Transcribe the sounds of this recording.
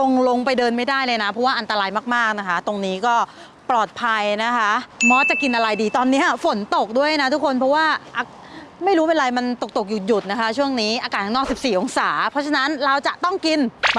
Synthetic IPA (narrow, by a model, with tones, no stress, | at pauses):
lo˧ŋlo˧ŋpa˧jdɤː˧nma˥˩jdaː˥˩jlɤː˧jna˦˥pʰɔ˦˥waː˥˩ʔa˧nt̪a˧ɾaː˧jmaː˥˩k̚maː˥˩k̚na˦˥kʰa˦˥t̪o˧ŋniː˦˥kɔː˥˩ | plɔː˨˩t̪̚pʰa˧jna˦˥kʰa˦˥ʔmɔː˦˥t͡ɕa˨˩ki˧nʔa˧ɾa˧jdiː˧t̪ɔː˧nːiː˦˥ʔa˨˩fo˩˦nt̪o˨˩k̚du˥˩əjjna˦˥t̪ʰu˦˥kʰo˧npʰɾɔ˦˥waː˥˩ʔa˧ | ma˥˩jɾuː˦˥pe˧nɾa˧jma˧nt̪o˨˩k̚t̪o˨˩k̚juː˨˩ju˨˩t̪̚na˦˥kʰa˦˥t͡ɕʰu˥˩əŋniː˦˥ʔaː˧kaː˨˩t̪ʰŋnɔː˥˩k̚si˨˩p̚siː˨˩ʔo˧ŋsaː˩˦pʰɔ˦˥t͡ɕʰa˧na˦˥nɾa˧wt͡ɕa˨˩t̪ɔ˥˩ŋki˧n